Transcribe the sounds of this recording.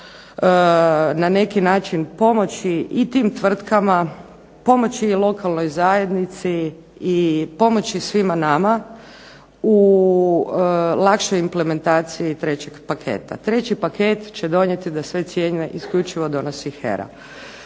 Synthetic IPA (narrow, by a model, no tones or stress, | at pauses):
nane̞kinaːt͡ʃinpo̞mo̞t͡ɕiit̪iːmt̪ʋr̩t̪kama | po̞mo̞t͡ɕilˠo̞kalˠno̞jzaje̞d̪nit̪siː | po̞mo̞t͡ɕisʋimanama | u | lˠakʃojimple̞me̞nt̪aːt̪siit̪ɾe̞t͡ɕe̞ɡpakʰe̞̰ːt̪a̰t̪ɾe̞t͡ɕipakʰeːt̪t͡ɕed̪o̞ɲe̞t̪id̪asʋe̞t̪sjeɲeʔiskʎut͡ʃiʋo̞d̪o̞no̞sixḛɾa̰